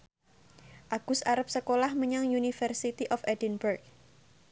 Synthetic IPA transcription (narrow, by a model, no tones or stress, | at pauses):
ʔaɡ̥ʊsaɾəp̚səkolahməɲaŋjunifərsit̪iʔɔfɛdinbərk̚